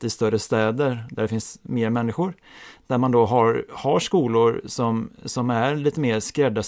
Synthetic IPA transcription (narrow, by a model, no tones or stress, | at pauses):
t̪ɪst̪œɾəst̪ɛːd̪əɾd̪æɖɛfɪnsmeːɾmɛnːɪɧʊɾ | d̪̥æɾmand̪oɦaɾhaʂkuːlʊɾsɔmsɔmæɾliːt̪əmeːɾskɾɛd̪ːa